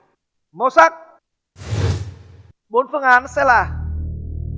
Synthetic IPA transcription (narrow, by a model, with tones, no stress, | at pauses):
mo˨˧˦sa˦˥k̚ | ɓo˨˦nfɨ˧˩əŋʔaː˨˦nsɛ˧˥laː˧˩